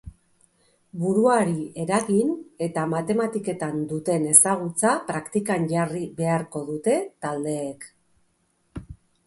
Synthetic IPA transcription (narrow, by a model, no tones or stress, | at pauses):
buɾuaɾie̞ɾaɣine̞t̪amat̪e̞mat̪ike̞t̪and̪ut̪e̞ne̞saɣ̞ut͡sapɾakt̪ikaɲʝariβe̞aɾko̞ðut̪e̞t̪ald̪e̞ːk